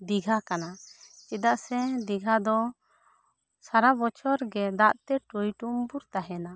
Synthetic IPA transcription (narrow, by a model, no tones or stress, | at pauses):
d̪iɡʱakanat͡ʃid̪aʔsɛd̪iɡʱad̪ɔ | saɾabɔt͡ʃɔɾɡɛd̪aʔt̪ɛʈujʈumbuɾt̪aɦɛna